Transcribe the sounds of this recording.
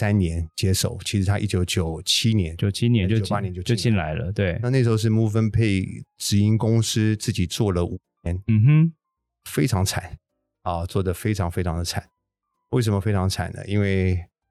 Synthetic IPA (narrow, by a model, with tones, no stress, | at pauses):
sa˥nnjɛ˧˥nt͡ɕjɛ˥ʂo̰˨˩˦ʊt͡ɕʰi˧˥ʂɻ̩˧t̪ʰa˥ʔḭ˥˩t͡ɕjo˧˥ʊt͡ɕjo˨˩ʊt͡ɕʰi˥njɛ˧˦no˨t͡ɕʰi˥nɛ˧˦o˥˨˧pa˥njɛ˧˦nt͡ɕjo˥˧ʊt͡ɕjo˧˥t͡ɕi˥˧˩nla̰˧˥ɪlə̰˧t̪we˥˩ɪa˧na˥˩ʂ̬̩˧˥xo˧ʊ˥ʂ̬ɻ̩˥˩mu˥˩fə˥npʰe˥˩ɪʈ͡ʂɻ̩˧˥i˥nkʊ˥ŋs̩˥t͡sɹ̩˥˩t͡ɕi˨˩t͡swɔ˥˩lə˩ʔu˨˩njɛ˧˥nm̩˨˩˥ | fe˥ɪʈ͡ʂʰɑ˧˥ŋt͡sʰa̰˨˦n | ɔ˥˧t͡swɔ˥˩d̪ə˩fe˥ɪʈ͡ʂʰɑ˧˥ŋfe˥ɪʈ͡ʂʰɑ˧˥ŋd̪ə˧t͡sʰa̰˨˩˦n | we˥˩ʂ̬ə˧˥mə˧fe˥ɪʈ͡ʂʰɑ˧˥ŋt͡sʰa̰˨˩˦nə̰˦i˥nwe˥˩ɪ